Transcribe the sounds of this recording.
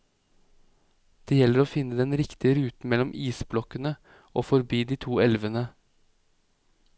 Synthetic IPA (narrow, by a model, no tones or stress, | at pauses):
d̪̥eːjɛləɾoːfɪnːəd̪ɛnɾɪkt̪ɪəɾʉːt̪n̩mɛlɔmʔiːsblɔkənə | ʔoːfɔɾbiːd̪iːt̪ʰuːɛlʋənə